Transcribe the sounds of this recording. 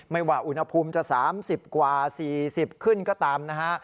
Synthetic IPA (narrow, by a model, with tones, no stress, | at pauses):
ma˥˩jwaː˨˩ʔu˧nha˧pʰuː˧mt͡ɕa˨˩saː˨˩˦msi˨˩p̚kwaː˨˩siː˨˩si˨˩p̚kʰɯ˥˩nkɔː˥˩t̪aː˧mna˦˥kʰa˦˥ʔ